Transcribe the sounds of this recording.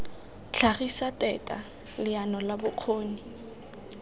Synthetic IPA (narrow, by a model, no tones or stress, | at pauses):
t͡ɬʰaχisatʼɛtʼa̰ | lɪanɔlabʊq͡χʰoːni